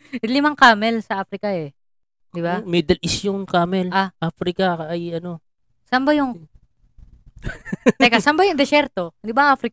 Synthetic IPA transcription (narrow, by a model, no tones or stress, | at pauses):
lɪmaŋkaːmɛlsɐʔafɾɪkɐɛ | d̪ɪbamid̪ɐlɪsjʊŋkaːmɛlʔaʔafɾɪkɐɐjɐno | sɐmbajʊŋ | tɛjkasɐmbajʊŋd̪ɛsɛɾt̪o̞d̪ɪbaʔafɾɪk